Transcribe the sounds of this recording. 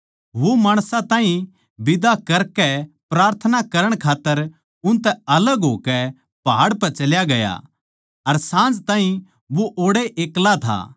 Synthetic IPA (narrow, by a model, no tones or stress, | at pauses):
ʋomaːɽ̃sãt̪ãːɦĩ | bɪd̪akɐɾkɛpɾaːɾt̪ʰənakɐɾəɽ̃kʰaːt̪ːəɾ | ʊ̃nt̪ɛɐləɡɦoːkɛ | paːɽpɛt͡ʃɐljaɡɐja̰ | ɐɾsãːnd͡ʒt̪ãːɦĩ | ʋoʔoːɽeʔeːklat̪ʰa̰ː